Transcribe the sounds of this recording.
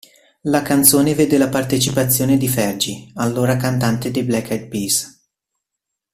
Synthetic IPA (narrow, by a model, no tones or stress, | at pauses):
lakant̪soːneveːd̪elapart̪et͡ʃipat̪sːjoːned̪ifɛrd͡ʒialːoːɾakant̪ant̪ed̪ejblɛkːɛt̪̚pis